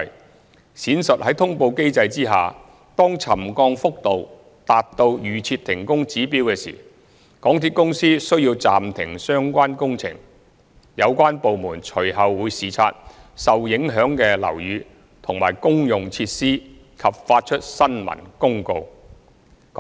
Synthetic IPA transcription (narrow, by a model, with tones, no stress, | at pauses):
siː˨˥nsɵ˨t̚ɦɐ˨˥jt̪ʰʊ˥ŋpo˧wke˥jt͡sɐ˧jt͡siː˥ɦa̰ː˨ | t̪ɔː˥ŋt͡sʰɐ˨˩mkɔː˧ŋfʊ˥k̚t̪o˨w | t̪aː˨p̚t̪o˧wjyː˨˩t͡sʰiː˧t̚t̪ʰɪ˨˩ŋkʊ˥ŋt͡siː˨˥pi˨˥wkɛː˧sḭ˨˩ | kɔː˨˥ŋt̪ʰiː˨˧t̚kʊ˥ŋsiː˥sɵ˥ɥjiː˧wt͡saː˨mt̪ʰɪ˨˩ŋsœː˥ŋkʷaː˥nkʊ˥ŋt͡sʰɪ̰˨˩ŋ | jɐ˨˧wkʷaː˥npo˨wmuː˨˩nt͡ʃʰɵ˨˩ɥɦɐ˨wːuː˨˧jsiː˨˩t͡sʰa̰ː˧t̚sɐ˨wjɪ˨˥ŋɦœː˨˥ŋkɛː˧lɐ̰˨˩wjyː˨˧ | t̪ʰʊ˨˩ŋma̰ː˨˩jkʊ˥ŋjʊ˨ŋt͡sʰi˧t̚siː˥ | kʰɐ˨p̚faː˧t̚t͡ʃʰɵ˥t̚sɐ˥nmɐ̰˨˩nkʊ˥ŋko˧w